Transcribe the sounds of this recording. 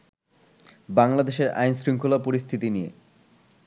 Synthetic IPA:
baŋlad̪eʃeɾa̰jnsɾiŋkʰolapoɾist̪ʰit̪inijḛ

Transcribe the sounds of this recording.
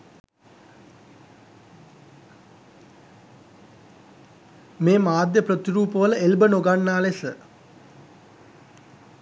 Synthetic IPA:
meːmaːd̪jəprot̪iɾuːpəʋələʔelbənoɡanːaːlesə

